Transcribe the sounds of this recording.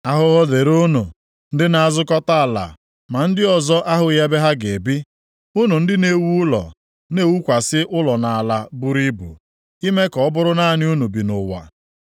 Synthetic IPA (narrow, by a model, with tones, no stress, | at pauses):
a˦ɦʊ˦ɦɔ˦le˨ɾo˦no˨ | n̩˦dɪ˦na˨a˨zʊ˦kɔ˦ta˦a˨la̰˨ | ma˨n̩˦dɪ˦ɔ˨zɔ˦ʔa˦ɦʊ˨˦ja˦be˦ɦa˦ɡe˨bi˦ | ʊ˦nu˨n̩˦dɪ˦ne˦wu˦ʊ˦lɔ̰˨ | ne˦wu˦kʷa˨sɪ˦ʔʊ˦lɔ˨na˨a˨la˨bu˦ɾi˦bṵ˨ | i˦me˦kɔ˨ɔ˦bʊ˦ɾʊ˦na˦nɪ˦u˦nu˨bi˨nʊ˨wa̰˨